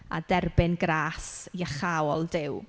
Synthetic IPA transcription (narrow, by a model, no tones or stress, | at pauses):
a̰dɛrbɪnɡrɾaːsiaχawɔlˠdɪw